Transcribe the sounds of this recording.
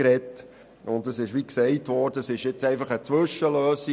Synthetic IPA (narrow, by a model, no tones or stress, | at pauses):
ɾɛt | ʊntəsɪʃʋiksɛɪtvɔrdəsɪʃjɪt͡sɛɪfɑχət͡sʋɵʃəløːsi